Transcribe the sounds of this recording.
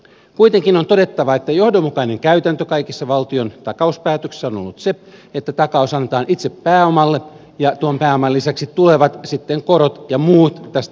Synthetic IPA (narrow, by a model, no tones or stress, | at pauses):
kujt̪eŋkinont̪o̞de̞t̪ːɑʋɑet̪ːæjohdomːukɑine̞ŋkæyt̪ænt̪økɑjkisːɑʋɑlt̪io̞nt̪ɑkɑuspæːt̪økse̥sːæonolːut̪seet̪ːæt̪ɑkɑusɑnːet̪ɑːnʔit̪sepːæːomɑlːe | jɑt̪uompæːomɑlːisæksiule̞ʋɑt̪sit̪ːeŋko̞ɾot̪jɑmuːt̪t̪æst̪æ